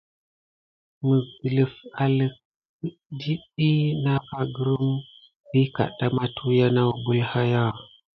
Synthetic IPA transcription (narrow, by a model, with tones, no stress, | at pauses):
mə˨ɡə˨lə˨fa˨lə˨k | di˦ɗi˦na˦ka˦ɡə˦ɾu˦m | bi˦ka̰˨ɗa˦ma˦tʰu˦ja˦na˦wbu˦lha˦ja˦˨